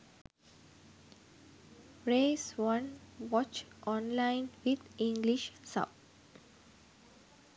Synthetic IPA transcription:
ɾeːsʋʌ̃nʋɔt͡ʃʔɔ̃nlãɪ̃nʋid̪ĩŋɡliʃsʌ̰b̚

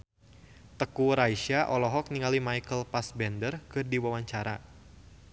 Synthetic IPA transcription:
t̪əkuɾaiʃaʔɔlɔɦɔk̚niŋalimajkəlpasbɛndərkɨrdiwawaɲt͡ʃaɾa

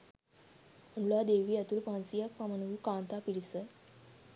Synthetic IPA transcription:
unlad̪eːʋiːɐt̪ulpãnsijakpamɐnuɡukaːnt̪apiɽisə

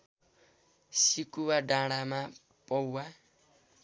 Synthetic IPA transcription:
sikuwaɖaɽ̃ama | pɔwːa

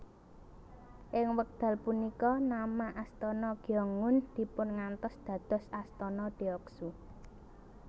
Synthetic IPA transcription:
ʔɪŋwək̚d̪̥ä̤lpunikɔnamaʔast̪ɔnɔɡ̥jɔŋʊnd̪̥i̤pʊnŋant̪ɔsd̪̥ä̤d̪̥ɔ̤sast̪ɔnɔd̪̥iɔksu

